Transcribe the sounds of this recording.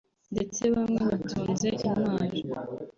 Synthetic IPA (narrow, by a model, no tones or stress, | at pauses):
nde̞t͡se̞βamŋeβatʰuːnze̞ʔimmaːɾo